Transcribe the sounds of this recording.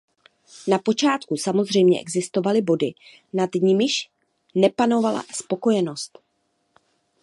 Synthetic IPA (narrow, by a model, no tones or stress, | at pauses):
napo̞t͡ʃaːt̪kusamo̞zr̝ɛjmɲɛ̰ʔɛɡzɪst̪o̞valɪbo̞dɪ | nadɲɪmɪʃ | nɛpano̞vala̰spo̞ko̞jɛno̞st̪